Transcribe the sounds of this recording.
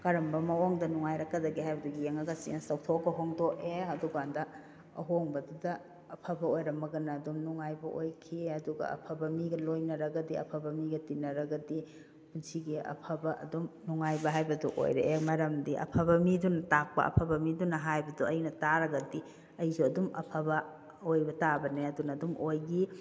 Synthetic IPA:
kɐɾɐmbɐmɐwoŋdɐnuŋajɾɐkːɐdɐɡiɦajbɐduɡijeŋɐɡɐsḭɐsɐwtʰokːɐɦoŋdokeɐduɡandɐ | ɐ̰ɦoŋbɐdudɐː | pʰɐbɐojɾɐmbɐɡɐnɐːdumnuŋajbɐʔojkʰiɐduɡɐ̰ɐ̰pʰɐbɐmiɡɐlojnɐɾɐɡɐdiɐ̰pʰɐbɐmiɡɐtinːɐɾɐɡɐdi | punsiɡiɐ̰pʰɐbɐʔɐ̰dumnuŋajbɐɦajbɐdṵʔo̰jɾeʔemɐɾɐmdiʔɐ̰pʰabɐmidunɐtak̚pɐ̰ʔɐ̰pʰɐbɐmidunɐɦajbɐduʔɐjnɐtaɾɐɡɐdi | ɐjzuɐdumɐ̰pʰɐbɐ | ojbɐtabɐneɐdunɐːdumʔojɡi

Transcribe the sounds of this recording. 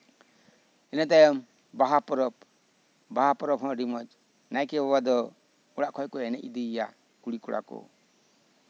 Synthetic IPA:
ɛnat̪ajɔm | baɦapɔɾɔp | baɦapɔɾɔpɦɔ̃ɖimɔt͡ʃ | najkɛbɔbad̪ɔ | ɔɽaʔkʰɔjkɔɛnɛ̰ʔid̪iːja | kuɽikɔɽa̰kɔ̰

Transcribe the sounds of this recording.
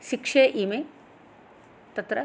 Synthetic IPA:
ʃikʂeːʔime | t̪ɐt̪ɾɐ

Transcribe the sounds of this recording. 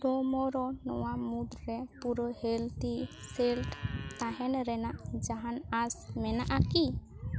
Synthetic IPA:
t̪ɔmɔɾɔnɔwamud̪ɾɛpuɾɔhelt̪iselʈt̪aɦɛnɾɛnaʔd͡ʒaɦanasmɛnaʔaki

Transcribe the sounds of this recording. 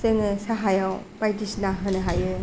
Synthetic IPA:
sɯŋɯsaɦajawpajtisnaɦɯnɯɦajɯ

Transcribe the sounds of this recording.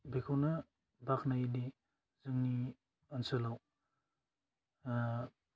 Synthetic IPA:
bekʰawnɐ | baknajdi | zɯŋni | ɐnsɐlaw

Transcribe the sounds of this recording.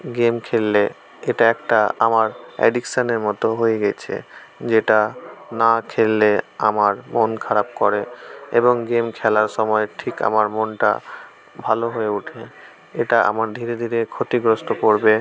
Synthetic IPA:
ɡemkʰelːe | eʈaɛk̚ʈaamaɾɛ̰ɖikʃaneɾmɔt̪oɦojeɡɛt͡ɕʰḛ | d͡ʑeʈanakʰelːeamaɾmonkʰaɾab̚kɔɾeeboŋɡemkʰɛlaɾʃɔmɔeʈʰika̰maɾmonʈa̰ | bʱaloɦojeuʈʰe | eʈaa̰maɾd̪ʱiɾed̪ʱiɾekʰot̪iɡɾost̪okoɾbe

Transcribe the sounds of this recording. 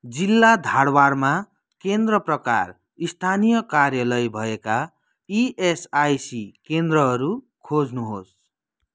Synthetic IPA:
d͡zilːad̪ʱaɽwarma | kend̪rʌprʌka̰r | ist̪ʰanijʌkarjʌlʌjbʱʌeka | iesajsikend̪rʌɦʌɾu | kʰod͡znuɦos

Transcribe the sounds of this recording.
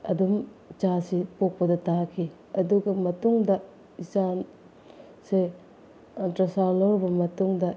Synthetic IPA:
ɐ̰dumt͡ʃasipok̚pɐdɐtakʰi | ɐduɡɐmɐtuŋdɐ | isan | se | ɐntɾɐsawloɾbɐmɐtuŋdɐ

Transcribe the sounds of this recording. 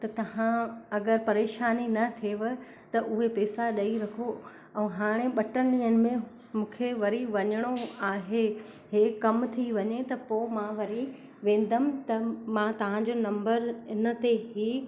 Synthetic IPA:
t̪ɐt̪ɐʋ̤ãɐɡəɾpɐɾeːʃaːninɐt̪ʰeːʋə | t̪ɐʔʊɦepɛːsaɗɐiɾɐkʰo | ɛ̃ːɦaːɽ̃eɓɐʈənɗĩːənɪ̆mẽ | mũːkʰeʋɐɾiʋɐɲəɽ̃oaːɦe | ɦeːkɐmt̪ʰiʋɐɲet̪ɐpoːmãʋɐɾi | ʋẽːn̆d̪əmɪt̪ɐmãt̪ɐʋ̤ãɲd͡ʑoːnɐ̃mbəɾɪnə̆t̪eɦiː

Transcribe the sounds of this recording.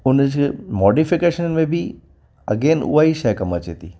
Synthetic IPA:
ʊnəd͡ʑkmɔːɖifɪkeːʃənmẽbʱi | ɐ̰ɡeːnʊ̰aːiʃɐkɐmət͡ɕeːt̪iː

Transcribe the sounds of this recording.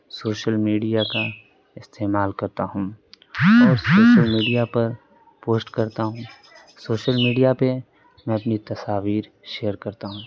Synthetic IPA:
soːʃəlmiːɖijaka | ɪst̪eːmaːlkɐɾt̪aɦũː | ɔːɾsoːʃəlmiːɖijapɐɾ | poːsʈkɐɾt̪aɦũː | soːʃəlmiːɖijape | mɛ̃ɐpnit̪ɐsaːʋiːɾ | ʃejəɾkɐɾt̪aɦũː

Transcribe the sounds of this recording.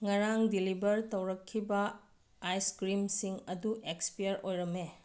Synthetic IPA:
ŋɐɾaŋdilibɐɾtɐwɾɐkʰːibɐ | ajskɾimsiŋɐduʔekspijɐɾojɾɐmːe

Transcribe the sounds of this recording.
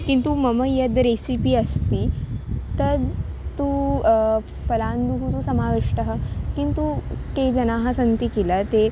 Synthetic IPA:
kint̪uməməjəd̪ɾesipiːəst̪iːt̪əɾ | t̪u | fəland̪uɦut̪usəmaʋiʂʈəɦəkint̪ut̪ed͡ʑənaɦasənt̪ikelət̪e

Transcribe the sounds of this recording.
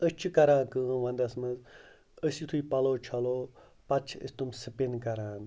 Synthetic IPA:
ət͡ʃʰikɐɾãːkɨʋɐ̃nd̪ɐsmɐz | əsit̪ʰuipɐloːt͡ʃʰɐloː | pɐt͡ʃʰə̰sʲt̪umsɨpinkɐɾãːn

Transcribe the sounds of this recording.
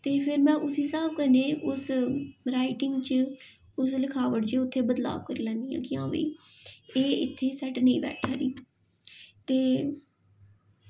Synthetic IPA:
t̪eːpʰɪɾmɛ̃ːʔʊsiːsaːb̚kəɾneːʔʊsɾaːɪʈɪŋɡt͡ʃə | ʊs̬ləkʰaːʋəʈd͡ʒeːʊt̪ʰːeːbəd̪la̰ːʋkəɾiːlɛ̃ːnd̪iːjã̰ːkɪãːʋḭːeːɪt̪ʰːeːsɛʈnəĩːbɛ̰ːʈʰaːɾiː | t̪eː

